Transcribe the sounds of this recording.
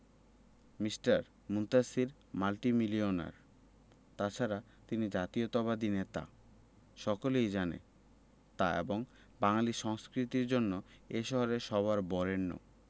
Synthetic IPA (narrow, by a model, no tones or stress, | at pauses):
misʈaɾ | munt̪asiɾ | malʈimiliona̰ɾ | t̪at͡ɕʰaɾa | t̪inid͡ʑat̪iot̪ɔbad̪inet̪a̰ | ʃɔkolejd͡ʑanḛ | t̪aeboŋ | baŋaliʃɔŋskɾit̪iɾd͡ʑonːoeʃɔɦoɾeʃɔβaɾbɔɾenːo̰